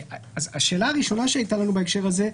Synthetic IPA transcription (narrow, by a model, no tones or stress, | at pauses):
aazaʃe̞ːlaːʁiʃo̞naʃeajt̪alanubaekʃe̞ʁaze̞